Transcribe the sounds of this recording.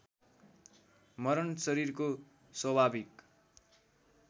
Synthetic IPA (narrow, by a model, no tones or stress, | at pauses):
mʌɾʌnsʌɾirko | swʌbʱabʱik